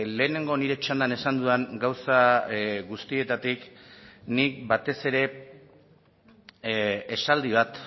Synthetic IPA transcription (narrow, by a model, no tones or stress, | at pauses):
le̞ːne̞ŋɡo̞niɾe̞t͡ʃand̪ane̞sand̪ueŋɡawsaɣust̪ie̞t̪at̪iknik̚bat̪e̞se̞ɾe̞ | esald̪iβ̞at̪